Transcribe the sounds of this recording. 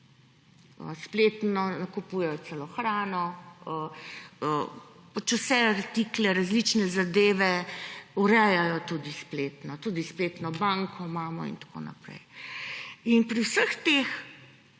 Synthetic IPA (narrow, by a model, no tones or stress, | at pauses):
ə̰spleːt̪nɔnɐkupuːjɛjɔsɛlɔxɾaːnɔəəpat͡ʃusɛaɾt̪iklɛɾazlit͡ʃnɛzad̪eːʋɛuɾɛjajɔt̪ud̪ispleːt̪nɔt̪uːd̪ispleːt̪nɔbaŋkʰɔmaːmɔḭnt̪ḁko̰ːna̰pɾɛ̰j | inpɾiwsəxt̪ex